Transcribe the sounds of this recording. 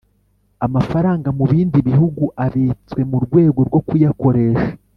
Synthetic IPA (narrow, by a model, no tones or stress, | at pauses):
amafaɾaːŋɡamuβiːndiβihuɡuʔaβit͡swe̞muɾɡwe̞ːɡo̞ɾɡo̞kujako̞ɾe̞ʃḁ